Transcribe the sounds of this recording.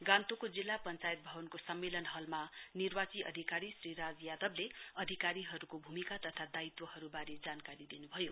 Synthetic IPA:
ɡãnt̪okod͡zilːapʌnt͡sajt̪̚bʱʌbʌnkosʌmːelʌnɦʌlmanirwat͡siʔʌ̰d̪ʱikaɾisriɾad͡zjad̪ʌbleʌd̪ʱikaɾiɦʌɾukobʱumikat̪ʌt̪ʰad̪ait̪wʌhʌɾubaɾid͡zankaɾid̪inubʱʌjo

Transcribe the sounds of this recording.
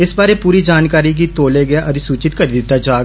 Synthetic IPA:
ɪsbaːɾepuːɾid͡ʒaːnkaːɾikit̪oːleɡjeʔɐd̪isuːt͡ʃɪt̪kəɾid̪ɪt̪ːad͡ʒaːɡ

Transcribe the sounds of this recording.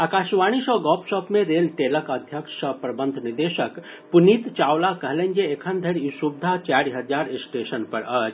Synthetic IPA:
aːkaːʃʋaːɽ̃iʃɔɡɔːpʃɔːpmẽɾeːlʈeːləkəd̪ʱjəkʃəpɾɐbə̃nd̪ʱnɪd̪eʃək | punit̪t͡ʃaːwlakɐɦlẽnd͡ʒeekʰənd̪ʱəɽiʃubd̪ʱat͡ʃaɾiɦɐd͡ʒaːɾɪsʈeːʃənpɐɾəd͡ʒ

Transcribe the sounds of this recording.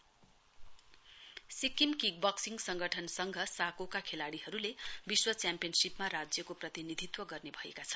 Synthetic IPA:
sikimkiɡ̚bʌksiŋɡsʌŋɡʱʌʈʰʌnsʌŋɡʱʌsakokakʰelaɽiɦʌɾulebiswʌt͡sjampijʌnsipmarad͡zjʌkoprʌt̪inid̪ʱit̪wʌɡʌrnebʱʌḛkat͡sʰʌn

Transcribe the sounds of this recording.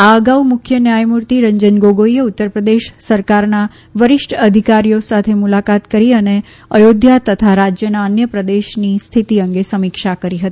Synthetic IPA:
aəɡaumʊkʰjənjajmuɾt̪iɾəɲd͡ʒənɡoɡoieut̪ːəɾpɾəd̪eʃsəɾkaɾna | ʋəɾɪʃʈʰəd̪ʱikaɾijosat̪ʰemulakat̪kəɾiəne | əjod̪ʱjat̪ət̪ʰaɾad͡ʒjənaənjəpɾəd̪eʃnist̪ʰit̪iəŋɡesəmikʃakəɾiɦət̪i

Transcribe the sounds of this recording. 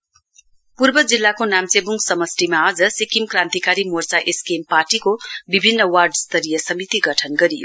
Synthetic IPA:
purbʌd͡zilːakonamt͡sebuŋɡsʌmʌsʈimaːd͡zʌsikimkrãnt̪ikaɾimort͡saʔeskempaʈikobibʱinːʌwarɖst̪ʌɾijʌsʌmit̪iɡʌʈʰʌnɡʌɾijo̰

